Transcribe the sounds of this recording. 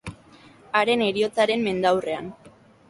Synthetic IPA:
aɾe̞ne̞ɾio̞t͡saɾe̞mːe̞nd̪awre̞an

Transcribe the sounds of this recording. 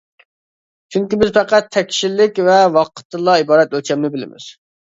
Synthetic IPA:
t͡ʃʰyŋkʲibɪzpɛqæt̪ʰːɛkʲʃilːɪkʲvɛwɑqʰə̥t̪ʰːɨlˠɑibɑːɾɛt̪̚ølt͡ʃʰɛmnɪbɪlɪ̰mɪ̰z̥

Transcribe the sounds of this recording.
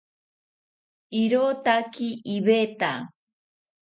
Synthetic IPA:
iɾot̪akiʔːβet̪a

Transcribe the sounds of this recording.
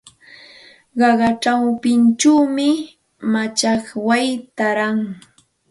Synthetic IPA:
ɢɑɢɑʈ͡ʂawpɪnt͡ʃawmɪ | mat͡ʃaχwajt̪aɾaŋ

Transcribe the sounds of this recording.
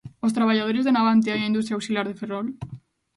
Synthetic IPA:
ost̪ɾaβaʎaðoɾezðenaβant̪eajaindust̪ɾjaowsilaɾðeferɔl

